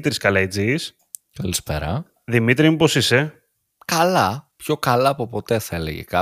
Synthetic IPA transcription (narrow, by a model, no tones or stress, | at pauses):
t̪ɾiskɐlɐid͡zis | kɐlispḛɾɐ̰ | ðimit̪ɾimupo̞sise̞ | kɐlɐpço̞kɐlɐːpo̞po̞t̪e̞θɐelḛʝḛkɐ